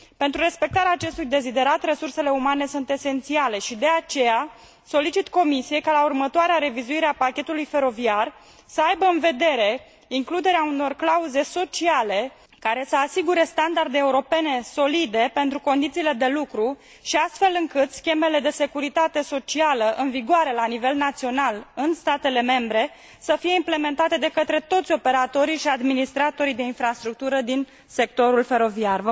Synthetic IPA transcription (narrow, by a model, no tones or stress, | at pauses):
pe̞nt̪ɾuɾe̞spe̞k̚t̪aɾeaːt͡ʃe̞st̪ujd̪e̞zid̪e̞ɾat̪re̞surse̞le̞umane̞sunt̪e̞se̞nt̪siale̞ʃid̪e̞at͡ʃe̞ja | so̞lit͡ʃit̪ko̞misije̞jkalaurmət̪oaɾeaɾe̞vizuiɾeapakʲe̞t̪ulujfe̞ɾo̞viar | səajbəɨnve̞d̪e̞ɾe̞ | iŋklud̪e̞ɾeauno̞rklauze̞so̞t͡ʃiale̞ | kaɾe̞səasiɡuɾe̞st̪and̪ard̪e̞ːuɾo̞pe̞ne̞so̞lid̪e̞pe̞nt̪ɾuko̞nd̪it̪siːle̞d̪e̞lukɾu | ʃiast̪fe̞lɨŋkɨt̪skʲe̞me̞le̞d̪e̞se̞kuɾit̪at̪e̞so̞t͡ʃialəʔɨnviɡoaɾe̞lanive̞lnat̪sio̞nalɨnst̪at̪e̞le̞me̞mbɾe̞ | səfije̞imple̞me̞nt̪at̪e̞d̪e̞kət̪ɾe̞t̪o̞t̪sʲo̞pe̞ɾat̪o̞ɾiʃiad̪minist̪ɾat̪o̞ɾid̪e̞infɾast̪ɾuk̚t̪uɾəd̪in | se̞k̚t̪o̞ɾulfe̞ɾo̞viar